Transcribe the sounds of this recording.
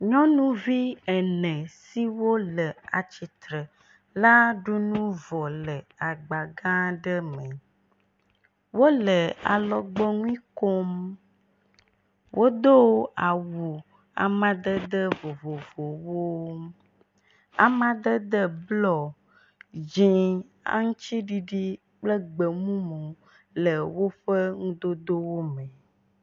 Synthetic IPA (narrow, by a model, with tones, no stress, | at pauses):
ɲɔ̃˦nũ˦vi˦ɛ˨nɛ̃˨si˦wo˦lə˨a˨t͡ɕi˨t̪ɾə˨ | la˦ɖu˦nũ˦vɔ˨lə˨a˨ɡ͡ba˨ɡã˦ɖə˦mə̃˨ | wo˦lə˨a̰˨lɔ˨ɡ͡bɔ˦ŋũ˦ĩ˦ko˦m | wʔo˦d̪o˦wa˨wu˨ | a̰˨mã˦d̪ə˦d̪ə˦vo˨vo˨vo˨wo˦ | a˨mã˦d̪ə˦d̪ə˦blɔ˨ | d͡ʒĩ˨ | a̰˦ŋũ˦t͡ɕi˦ɖi˦ɖi˦ | k͡plə˦ɡ͡bə˨mũ˦mõ˨ | lə˨wo˦ɸə˦ŋũ˦d̪o˦d̪o˦wo˦mɛ̃˨